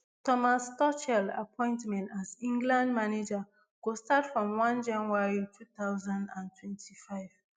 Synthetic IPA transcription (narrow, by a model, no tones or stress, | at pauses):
tɔmastɔt͡ʃɛla̰pʰɔ̃ɪ̃ntmɛ̃ntazĩŋɡlãndmaned͡ʒa | ɡ̥ostatfɹɔ̃mwãnd͡ʒãnwaɹitʰut̪aʊzãndãntʰwɛ̃ntʰifaɪv̥